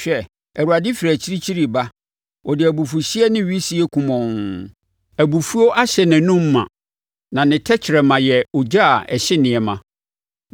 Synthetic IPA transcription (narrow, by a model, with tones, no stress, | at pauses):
ɕᶣɛ˦ | æ˨wu˨a˨dɪ˦fi˨ɾæ˨t͡ɕʰi˦ɾi˦t͡ɕʰi˦ɾi˨ba˦ | ɔ˨dɪ˨æ˨bu˨fu˨ɕi˦ɛ˦nɪ̃˦ɥi˦si˨ɛ˦kʰũ˨mɔ̃˨n | æ˨bu˨fu˦o˦ʔa˦ɕɛ˨nɪ̃˨nʊ̃˦m̩ː˦ã̰˨ | nã˨nɪ̃˨tʰɛ˦t͡ɕʰɪ˨ɾɛ˨mã˨jɛ˨ɔ˨d͡ʑa˦˨ɛ˨ɕɪ˦nɪ̃˨ɛ˨mã˨